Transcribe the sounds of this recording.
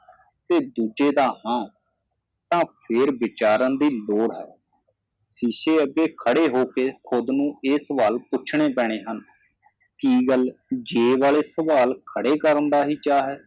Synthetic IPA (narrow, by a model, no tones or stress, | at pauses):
t̪eːd̪uːd͡ʒeːd̪aːɦãː | t̪ãːpʰeːɾʋɪt͡ʃaːɾãːd̪iːloːɽɦɛ̰ː | siːʃeːəɡeːkʰəɽeːɦoːkeːkʰʊd̪nũːeːsəʋaːlpʊt͡ʃʰɳ̃eːpɛːɽ̃eːɦən | kiːɡəld͡ʒeːʋaːleːsəʋaːlkʰəɽeːkəɾənd̪aːɦiːt͡ʃaːɦɛː